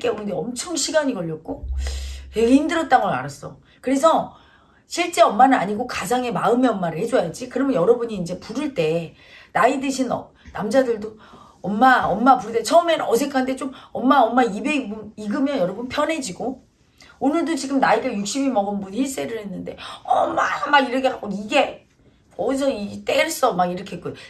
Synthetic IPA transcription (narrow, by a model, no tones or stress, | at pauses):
k͈eoɯndeʌmt͡ɕʰʌmɕʰiɡaɲiɡʌɭːʌk̚k͈o | keɡeindɯɾʌt̚t͈anɡʌɭa̰ɾas͈ʌ | kɯɾe̞sʰʌ | ɕʰiɭt͡ɕ͈e̞ʌmːanɯnaɲiɡokad͡ʑaŋe̞maɯmeʌmːaɾɯɭɦe̞d͡ʑojad͡ʑikɯɾʌmjʌjʌɾʌbuɲiːnd͡ʑe̞puɾɯɭt͈e̞ | naidɯɕʰinʌ̰ | namd͡ʑadɯɭdo | ʌmːaʌmːapuɾɯt͈et͡ɕʰʌmenʌsʰe̞kʰandet͡ɕ͈omʌmːaʌmːaibe̞ɡɯmiɡɯmjʌnjʌɾʌbunpʰjʌnɦe̞d͡ʑiɡo | onɯɭdot͡ɕiɡɯmnaiɡɯɭjuk̚ɕ͈imimʌɡɯnbunçiɭs͈e̞ɾɯɭɦhe̞nːɯnde̞ʌmːaamːaiɾʌkʰeɦak͈oiɡe̞ | ʌsʰʌit͈eɭs͈ɯʌmːaiɾʌkʰeɦekojo